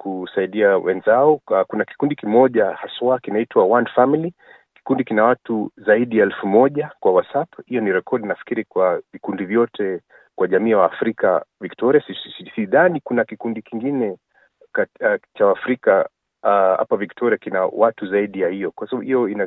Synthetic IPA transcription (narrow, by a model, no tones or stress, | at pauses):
kusaiɗiawɛ̰nzaɔakunaki̥kundikimɔʄahaswakinaitwawanfamili | ki̥kundikinawatuzaiɗijaɛlfumɔʄakwawasaphijɔniɾɛkʰɔɗinafi̥kiɾikwavikundivjɔtʰɛ | kwʔaʄamiːwaːfɾika̰viktɔɾiasisisiðanikunakikundikiŋɡinɛ | kat͡ʃawaːfɾika | ha̰paviktʰɔɾiakinawatuzaiɗijahijɔkwasaɓaɓuhijɔina